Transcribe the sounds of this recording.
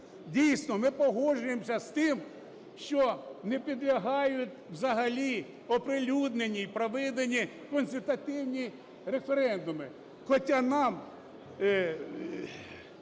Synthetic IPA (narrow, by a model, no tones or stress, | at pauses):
dʲijsʲnɔmɪpɔɦɔʒʊjemsʲɐst̪ɪm | ʃt͡ʃɔnepʲid̪lʲɐɦɑjʊtʲwzɐɦɐlʲi | ɔpɾɪlʲud̪nenʲːijpɾɔʋɪd̪enʲːi | kɔnsʲɪlʲt̪ɐt̪ɪwnʲi | ɾefeɾɛnd̪ʊmɪ | xɔtʲanɑm